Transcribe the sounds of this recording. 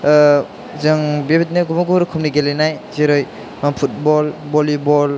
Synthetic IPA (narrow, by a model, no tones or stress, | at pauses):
zɯŋbebit̬̚najɡumaɡuɾɯkʰumniɡelenajzeɾɯj | mampʰut̚bɔlbɔlibɔl